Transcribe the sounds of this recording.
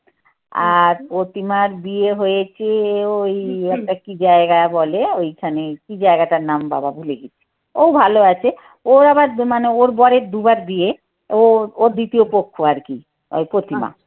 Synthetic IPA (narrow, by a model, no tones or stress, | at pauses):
a̰ɾpɾot̪imaɾbieɦojet͡ɕʰeojɛk̚ʈakid͡ʑaeɡabɔleojkʰanekid͡ʑaeɡaʈaɾnamba̰babʱuleɡit͡ɕʰe̥ | owbʱaloat͡ɕʰe | oɾabaɾmaneoɾbɔɾeɾd̪ubaɾd̪ie | ooɾd̪it̪iopokʰːoaɾki | o̰jpɾot̪ima̰